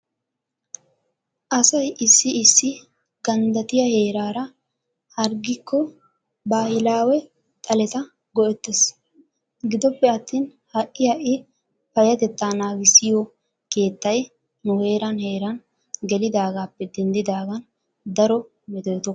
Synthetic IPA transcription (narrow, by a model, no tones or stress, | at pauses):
ʔɐsɐjʔɪsːɪɪsːɪ | ɡɐnd̪ɐt̪ɪjɐhe̞ːɾaːɾɐ | hɐɾɡɪkʰːɔ | baːhɪlaːwɛ | t̪ʼɐlɛt̪ɐ | ɡɔʔɛt̪ːɛs | ɡɪd̪ɔpːɛɐt̪ːiːn | hɐʔːɪhɐʔɪ | fɐjɐt̪ɛt̪ːaːnaːɡɪsɪjɔ | ke̞ːt̪ːɐj | nʊhe̞ːɾɐnhe̞ːɾɐn | ɡɛlɪd̪aːɡaːpːɛd̪ɛnd̪ɪd̪aːɡɐn | d̪ɐɾɔ | mɪd̪ɛjt̪ɔ